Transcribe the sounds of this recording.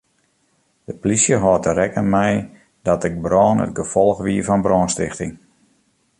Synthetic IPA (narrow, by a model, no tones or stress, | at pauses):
d̥əplisjəɦɔːtəɾɛkənmɛj | dɔtɪɡ̚brɔːnə̰tɡəfɔlˠxʋiəfɔnbrɔːnstɪxtɪŋ